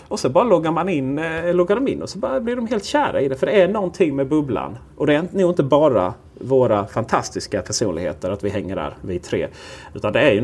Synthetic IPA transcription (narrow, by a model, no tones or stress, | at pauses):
ɔsɔbɑːɾalɔɡːaɾmanɪnːlɔɡːaɖɔmɪ̰nːɔsɔbɑːablɪɾdɔmɦeːlt̪ɕæːɾa̰ɪd̪ɛfœɖɛænɔnt̪ʰɪŋːmɛbɵbla̰n | ʔɔd̪ɛnuːɪnt̪əbɑːɾa̰ | voːɾafant̪ʰast̪ɪskapʰæʂṵːnlɪɡhḛːt̪əɾat̪vɪɦɛŋːəɖæ̰ːɾvɪt̪ʰɾḛːʉ̟ːt̪and̪ɛæɾjɵ